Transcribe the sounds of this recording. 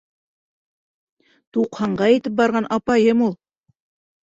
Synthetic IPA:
t̪uqhɑɴɢɑjit̪ɘp̚bɑɾʁɑnʔɑpɑjɤmulˠ

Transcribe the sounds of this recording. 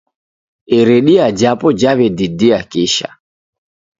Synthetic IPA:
ɛɾɛɗiad͡ʒapɔd͡ʒaβɛdidiakiʃa̰

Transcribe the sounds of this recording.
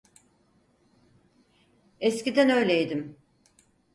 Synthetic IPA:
escid̪ænø̞jlʲejd̪im

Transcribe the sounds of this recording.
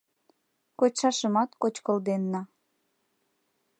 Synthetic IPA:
kot͡ɕʃɑʃəmɑt̪kot͡ɕkold̪enːɑ

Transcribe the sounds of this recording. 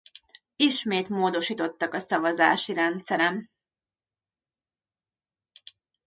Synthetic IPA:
iʃmeːt̪moːd̪o̞ʃiːt̪o̞t̪ːɒkɒsɒvɒzaːʃiɾɛnt̪sɛɾɛm

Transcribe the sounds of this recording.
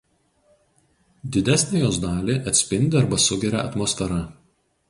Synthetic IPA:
d̪ʲɪd̪ʲæsʲnʲejoːsd̪ɑːlʲeʔɐt̪ʲsʲpʲɪnʲd̪ʲɪɐɾbɐsʊɡʲɛɾʲɛ̰ʔɐ̰t̪mɔːsfʲɛɾɐ

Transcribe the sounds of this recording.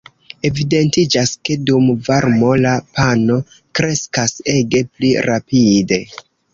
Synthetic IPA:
e̞vide̞ntid͡ʒaske̞dumvaɾmo̞lapano̞ | kɾe̞skase̞ɡe̞pliɾapide̞

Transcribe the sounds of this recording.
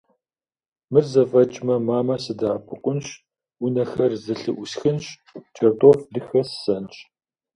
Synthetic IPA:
mɨrzɐfɐt͡ʃʼmɐmaːmɐsɨdaːpʰɨqʷʼʊnɕ | ʊnɐxɐrzɨɬɨʔʷʊsxɨnɕ | t͡ʃʰɐrtʼofdɨxɐssɐnt͡ʃʼ

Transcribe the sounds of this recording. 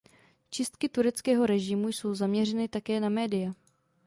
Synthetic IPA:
t͡ʃɪst̪kɪt̪uɾɛt͡skɛːɦo̞ɾɛʒɪmujso̞wzamɲɛr̝ɛnɪt̪akɛːnamɛːdɪja

